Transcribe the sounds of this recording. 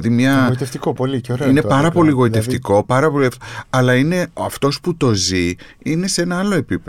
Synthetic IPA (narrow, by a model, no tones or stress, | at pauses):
ðimɲɐit̪eft̪ikopoliceoɾeine̞pɐɾɐpo̞liɣo̞it̪e̞ft̪iko̞pɐɾɐpo̞lifɐlɐine̞ɐft̪o̞sput̪o̞ziine̞see̞nɐɐlo̞e̞pip